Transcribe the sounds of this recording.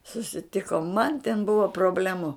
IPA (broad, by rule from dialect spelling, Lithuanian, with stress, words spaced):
sʊsʲɪˈtʲɪkoːm mɐn tʲɛn ˈbʊʋɐ proːˈbʲlʲæːmʊ